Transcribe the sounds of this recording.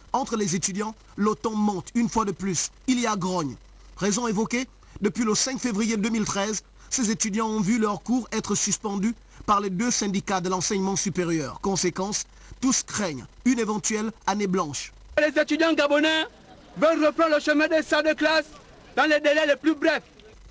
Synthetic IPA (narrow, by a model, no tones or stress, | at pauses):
ɑ̃t̪χəlezet̪yd̪jɑ̃ | lot̪ɑ̃mɑ̃t̪ynfwad̪əplys | iliaɡʁɔɲ | ʁezɔ̃evɔke | d̪əpɥiləsɛ̃kfevʁijed̪ømilt̪χɛz | sezet̪yd̪jɑ̃ɔ̃vylœʁkuʁɛt̪χəsyspɑ̃d̪y | paʁled̪øsɛ̃d̪ikad̪əlɑ̃sɛɲmɑ̃sypeʁjœːʁkɔ̃sekɑ̃s | t̪uskχɛɲ | ynevɑ̃t̪ɥɛlaneblɑ̃ʃ | lezet̪yd̪jɑ̃ɡabɔnɛ | vœlʁəpʁɑ̃ləʃəmɛ̃d̪esad̪əklas | d̪ɑ̃led̪elɛleplybʁɛf